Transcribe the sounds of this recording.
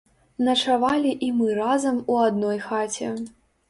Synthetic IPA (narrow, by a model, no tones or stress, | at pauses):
nɐt͡ʂavalʲiʔimɨɾazɐmuad̪̚nɔjxat͡sʲɛ